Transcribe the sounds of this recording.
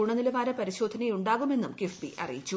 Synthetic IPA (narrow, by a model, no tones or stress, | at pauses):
uːɳɐnilɐʋaːɾɐpɐɾiɕoːd̪ʱɐnɐjuɳɖaːɣume̞nːumkefbḭɐ̰rḭjit͡ɕːu